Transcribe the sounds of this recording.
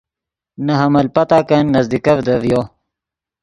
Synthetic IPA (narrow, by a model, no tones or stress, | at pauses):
nɐɦɐmɐlpɐt̪aːkɐnːɐzd̪ikɐvd̪ɐvjo